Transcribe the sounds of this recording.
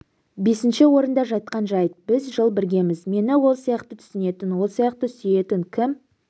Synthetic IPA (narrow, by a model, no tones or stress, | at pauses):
be̞sɪnʃɪwo̞ɾənd̪ɑʒɑjt̪̚qɑnʒɑjt̪̚bɪzʒəlˠbɪɾɡʲe̞mɪzme̞nɪwo̞lˠsijɑqt̪ət̪ʰʏ̥sɪne̞t̪ɪnwo̞lˠsijɑq̚t̪əsyje̞t̪ɪŋkʲʰɪm